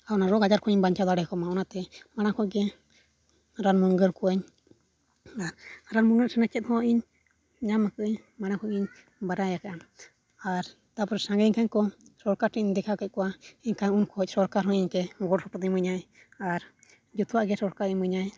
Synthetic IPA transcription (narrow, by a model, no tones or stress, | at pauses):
aunaɾɔɡad͡ʒaɾkʰɔɲiɲbaɲt͡ʃad̪ɔaɽɛkɔmaɔnat̪ɛmaɽ̃akɔɡɛ | ɾanmɔŋɡəɾkuɛɲ | aɾɾanmuŋɡɛɾsanɛt͡ʃɛt̪̚hɔ̃ʔiɲ | ɲamakəɲ | maɽ̃akʰɔʔiɲ | baɾajakaʔam | aɾ | t̪apɔɾɛsaŋɡɛɲkaɲkɔsɔɾkaʈiɲd̪ɛkʰakɛc̚kuaiɲkaɲunkʰɔɔcsɔɾkaɾhɔ̃iɲkɛɡɔɽsɔpɔt̪iməɲa | aɾ | d͡ʒut̪uwaʔɡɛsɔɾkaɾiɲməɲaɛ